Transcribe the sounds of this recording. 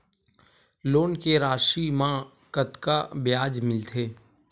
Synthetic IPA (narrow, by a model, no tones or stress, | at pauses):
loːnkeɾaːʃiːmã | kət̪kabjaːd͡ʒmɪlt̪ʰeː